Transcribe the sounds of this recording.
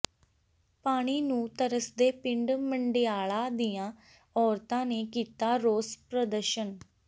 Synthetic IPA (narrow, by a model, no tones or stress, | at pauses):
paːɽ̃iːnũːt̪əɾəsd̪eːpɪɳɖməɳɖeaːɭaːd̪iːãː | ɔːɾt̪ãːneːkiːt̪aːɾoːspɾəd̪əɾʃən